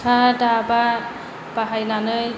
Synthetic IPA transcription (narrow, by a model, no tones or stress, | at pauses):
kʰadaba | b̥aɦajnanɯj